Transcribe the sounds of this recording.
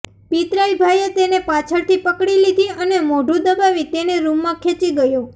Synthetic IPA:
pit̪ɾaibʱajet̪enepat͡ʃʰəɭt̪ʰipəkɽilid̪ʱiənemoɖʱũd̪əbaʋit̪eneɾumːãkʰẽt͡ʃiɡəjo

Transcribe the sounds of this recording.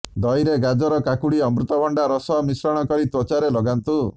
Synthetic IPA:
d̪ɔjɾeɡad͡ʒɔɾɔkakuɽiɔmɾut̪ɔbʱɔɳɖaɾɔsɔmisɾɔɽ̃ɔkɔɾit̪ɾɔt͡ʃaɾelɔɡant̪u

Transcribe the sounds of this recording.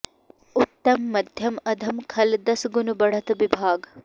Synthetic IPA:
ut̪ːɐmːɐd̪ʱjɐmɐd̪ʱɐmkʰɐld̪ɐsɡunubɐɽɐt̪ʋibʱaːɡ

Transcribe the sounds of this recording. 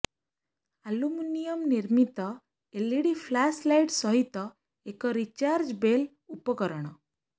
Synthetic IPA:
aluminijɔmniɾmit̪ɔ | eliɽipʰlaslajʈsɔɦit̪ɔ | ekɔɾit͡ʃaɾd͡ʒbel | upɔkɔɾɔɽ̃ɔ

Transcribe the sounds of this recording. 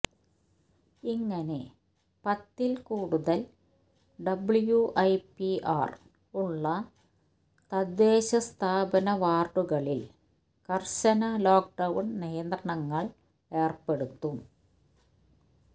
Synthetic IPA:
iŋːɐne̞ | pɐt̪ːilkuːɽuðɐl | ɖɐbɭjuʔɐjpiaːr | uɭːɐ | t̪ɐd̪ːeːɕɐst̪ʰaːbɐnɐʋaːrʈuɣɐɭil | kɐrɕɐnɐloːk̚ɖɐwɳnijɐnd̪rɐɳɐŋːɐɭ | e̞ːrpe̞ɽut̪ːum

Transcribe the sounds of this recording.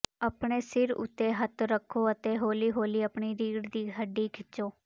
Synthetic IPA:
apɳeːsɪɾʊ̰t̪ːeːɦət̪ɾəkʰːoːət̪eːɦoːliːɦoːliːəpɳiːɾiːɽd̪iːɦəɖiːkʰɪt͡ʃoː

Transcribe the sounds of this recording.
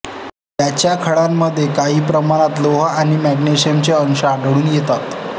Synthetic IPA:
t̪jat͡ɕjakʰəɭamːəd̪ʱːjekaɦiːpɾəmaɽ̃at̪loɦəaɽ̃imæɡneɕijəmt͡seəŋɕəaɖɽuːnjet̪at̪

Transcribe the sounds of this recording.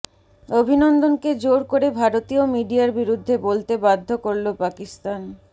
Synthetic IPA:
obʱinond̪onked͡ʑoɾkoɾebʱaɾot̪iomiɖiaɾbiɾud̪ʱːebolt̪ebad̪ʱːokoɾlopakist̪an

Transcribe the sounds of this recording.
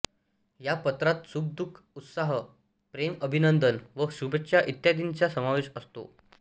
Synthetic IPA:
japət̪ɾat̪sub̚d̪ukʰ | ut̪saɦə | pɾeməbʱinənd̪ənʋəsubʱekɕaʔit̪jad̪int͡ɕjasəmaʋeɕəst̪o̰

